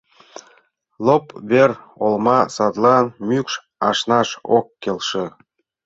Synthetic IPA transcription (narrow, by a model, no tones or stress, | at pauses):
lˠopβer | olmɑsɑd̪lɑnmʲykʃ | ɑʃnɑʃo̰kːelʃĕ